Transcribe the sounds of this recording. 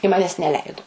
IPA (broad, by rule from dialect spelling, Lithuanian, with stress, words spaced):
ɪ ˈmɑːnʲɛs nʲɛˈlʲɛɪdʊ